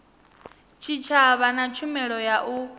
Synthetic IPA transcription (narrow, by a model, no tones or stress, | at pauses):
t͡ʃʰit͡ʃʰaβanat͡ʃʰumɛɺɔjaʔu